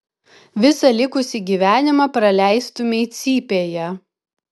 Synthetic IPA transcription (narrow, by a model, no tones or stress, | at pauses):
ʋʲɪsɐlʲɪkʊsʲiɡʲiːʋʲæːnʲɪmɑpɾɐlʲæˑɪst̪ʊmʲɛɪt̪sʲiːpʲeːjɛ